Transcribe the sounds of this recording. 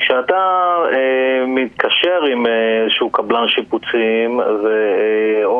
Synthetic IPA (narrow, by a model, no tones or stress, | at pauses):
ʃeat̪aemit̪kaʃeʁimezeʃukablanʃiput͡simve